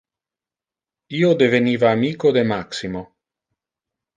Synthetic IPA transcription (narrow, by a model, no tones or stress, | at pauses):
iːod̪eveniːvaːmiːkod̪emaksimo